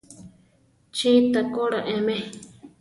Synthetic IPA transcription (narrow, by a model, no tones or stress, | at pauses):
t͡ʃit̪akoɺaʔẽmɛ̃